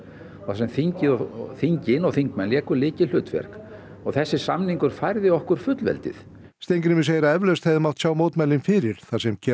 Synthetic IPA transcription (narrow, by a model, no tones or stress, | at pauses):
ɔɣθasɛmθiɲcɪɔθiɲcɪnɔɣθiŋkmɛnljɛːkʏlɪːcɪlʏːt̪fɛ̰ɾ̥k | ɔɣθɛsːɪ̥samniŋkʏɾ̥fajɾðɪɔhkʏɾ̥fʏt̪lvɛ̰lt̪ɪ̰θ | st̪ejŋknʏmɪsejɾaɛvlœɥst̪hɛvðɪmaw̥ht̪sjaːwmoːwt̪majlɪnfɪɾɪɾ̥θasɛmcʰɛ